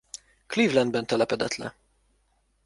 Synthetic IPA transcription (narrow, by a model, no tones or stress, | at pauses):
kliːvlɛnd̪̚bɛnt̪ːɛlɛpɛd̪ɛt̪ʰlɛ̰